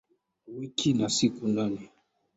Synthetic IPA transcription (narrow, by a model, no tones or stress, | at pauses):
wikʰinasikunani